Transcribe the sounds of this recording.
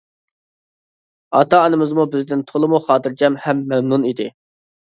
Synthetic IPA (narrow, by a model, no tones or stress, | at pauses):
ɑt̪ʰɑːnɨmɨzmubɪzd̪ɪnt̪ʰolˠɨmuχɑːt̪ɨɾd͡ʒɛmhɛmːɛmnunid̪ɪ